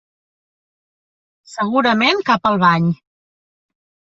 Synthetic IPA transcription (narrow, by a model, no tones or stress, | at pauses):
səɣuɾəmenkapəlˠβaɲ